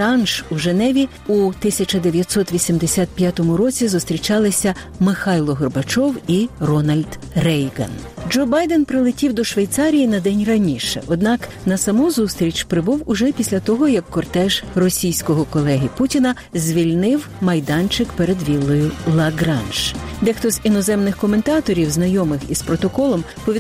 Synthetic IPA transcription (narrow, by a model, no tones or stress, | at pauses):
ɑnʃuʒenɛʋʲi | ut̪ɪsʲɐt͡ʃɐd̪eʋʲjɐt̪sɔt̪ʋʲisʲimd̪esʲat̪̚pʲjat̪ɔmʊɾɔt͡sʲizʊst̪ɾʲit͡ʃɑlˠɪsʲɐ | mɪxɑjlˠɔɦɔrbɐt͡ʃɔwirɔnɐlʲd̪ | rɛjɡɐ̰n | d͡ʒɔbɑjd̪ɛnpɾɪlˠɪtʲiwd̪ɔʃʋejt̪sɑɾʲijinɐd̪ɛnʲrɐnʲiʃɛ̰ʔɔd̪nɑk | nɐsɐmuzust̪ɾʲit͡ʃpɾɪbuwʊʒɛpʲisʲlʲɐt̪ɔɦɔjɐkːɔrt̪ɛʒrɔsʲijsʲkɔɦɔkɔlˠɛɦʲiputʲinɐ | zʲʋʲilʲnɪw | mɐjd̪ɑnt͡ʃɪkpeɾed̪ʋʲilˠːɔjʊlˠɐɡɾɑnʃd̪ɛxt̪ɔzʲinɔzɛmnɪxkɔme̞nt̪ɑt̪ɔɾʲiwznɐjɔmɪxispɾɔt̪ɔkɔlˠɔmpɔʋʲi